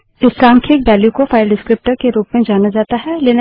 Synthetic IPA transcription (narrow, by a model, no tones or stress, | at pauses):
ɪsɾãːŋkʰɪk̚bɛːljukofʰaːɪlɖɪskɾɪp̚ʈəɾkeɾuːpmẽd͡ʒaːnad͡ʒaːt̪aɦɛleːn